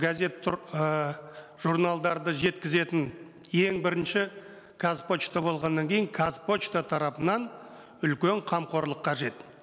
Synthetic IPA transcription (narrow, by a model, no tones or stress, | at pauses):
ɡaze̞t̪ | ʒ̥uɾnalˠd̪ɑɾd̪əʒe̞t̪kʲɪze̞t̪ɪn | je̞ŋbɪɾɪnʃɪ | kʰaspo̞t͡ʃt̪ɑbo̞lˠʁɑnːɑŋkʲʰe̞jɪŋkʰazpo̞t͡ʃt̪at̪ʰɑɾɑpənɑn | ʏlkʲe̞ɴqʰɑmqʰo̞ɾlˠəqʰːɑʒe̞t̪